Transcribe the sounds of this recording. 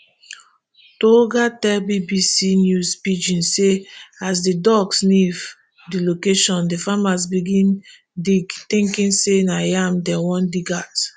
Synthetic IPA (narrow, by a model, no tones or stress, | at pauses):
toɡatɛbibisinjuspit͡ʃĩnseasdidɔɡsniv | dilokeʃɔ̃ndifamas̬biɡĩn | diɡtĩŋkĩnsenajamdɛwɔ̃ndiɡat